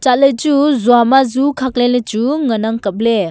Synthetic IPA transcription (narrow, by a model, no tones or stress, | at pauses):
t͡ʃat̚ləjt͡ʃuzuamazukʰak̚lelet͡ʃuŋənaŋkəp̚le